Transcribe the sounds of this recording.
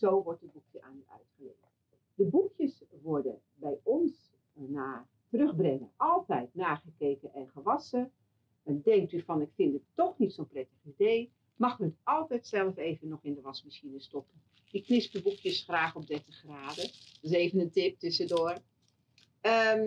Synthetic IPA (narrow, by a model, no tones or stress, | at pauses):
zoːʋɔrt̚dəbukjəʔa̰ːnyʔœ̰ɥtχəlḛt | dəbukjəsʋɔɹdə̰ | bɛjɔns | naː | tərøxbrɛŋə̰ʔɑlˠtɛjtnaːɣəkeːkəʔɛnχəʋɑsə | dɛŋk̚tyfɔnɪkfɪndəttɔxnitsonprɛtəxideː | mɑxəətɑlˠtɛjtsɛlˠəfeːvənɔxɪndəʋɑsmisinəstɔpən | ɪkːnɪspdəbukʰjəsxraːxɔp̚dɛtəxraːdəɪseːvənəntɪp̚tʏsədʊːər | ə